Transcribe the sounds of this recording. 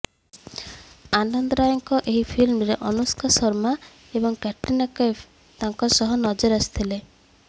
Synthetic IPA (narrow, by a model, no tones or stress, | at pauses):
anɔnd̪ɔɾajɔŋkɔʔeɦipʰilmɾeʔɔnuskasɔɾma | ebɔŋkɛʈinakɔj | t̪aŋkɔsɔɦɔnɔd͡ʒɔɾasi̥t̪ʰile